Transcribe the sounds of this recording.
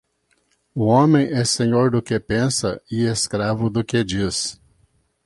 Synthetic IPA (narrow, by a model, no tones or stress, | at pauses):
ʊõmẽj̃ɛsẽɲoɾd̪ʊkepẽsɐɪeskɾavʊd̪ʊked͡ʒis